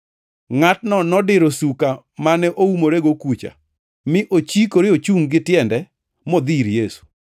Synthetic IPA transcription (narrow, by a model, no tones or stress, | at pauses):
ŋatnɔnɔdɪɾosuka | manɛʔoumoɾeɡokut͡ʃa̰ | mɪʔot͡ʃikoɾeot͡ʃuŋɡɪtjɛndɛ | mɔd̪iɾjesu̥